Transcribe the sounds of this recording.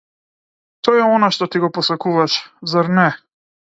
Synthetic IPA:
t̪ɔjɛɔnaʃt̪ɔt̪iɡɔpɔsakuvaʃzaɾnɛ

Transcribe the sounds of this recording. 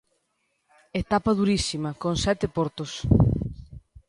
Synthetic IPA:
et̪apɐð̞uɾisimɐkonsɛt̪epoɾt̪os

